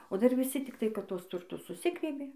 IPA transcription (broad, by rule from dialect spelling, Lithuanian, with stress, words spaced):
oː dɐr ʋʲɪˈsʲɪ tʲɪkˈtɐɪ kɐt ˈtuɔs tʊrˈtʊs sʊˈsʲɪɡrʲiɛbʲeː